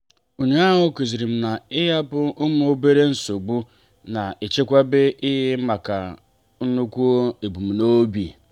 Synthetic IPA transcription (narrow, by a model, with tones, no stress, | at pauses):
o˨ɲe˦a˦ɦʊ˦ki˨zi˨ɾi˨m̩˦na˨ɪ˦ja˦bʊ˦ʊ˦m˦o˦be˦ɾe˦n̩˦so˨ɡ͡bu˦ | na˨e˨t͡ʃe˦kʷa˦bɪ˦ʔɪ˦ɦɪ˦ma˨ka˨ | n̩˦nu˦kʷu˦o˦e˨bu˨m̩˨no˦bi˨